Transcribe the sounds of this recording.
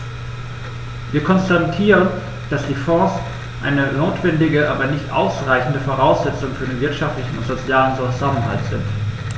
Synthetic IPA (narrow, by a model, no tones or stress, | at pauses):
viːɐkʰɔnstatʰiːʁən | d̥asd̥iːfɔːs | ʔa̰ɪnənoːtv̥ɛndɪɡəʔa̰ːbɐnɪçtʔa̰ʊsʁaɪçn̩dəfoʁaʊsz̥ɛt͡sʊŋfyːɐdeːnvɪɐtʃaftlɪçn̩ʊ̰ntz̥ot͡sjaːlənzozamənɦa̰ltz̥ɪ̰nt